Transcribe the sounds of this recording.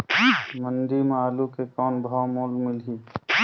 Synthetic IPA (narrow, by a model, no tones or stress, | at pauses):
mənd̪imaːlukekɔːnbʱawmoːlmɪlɦiː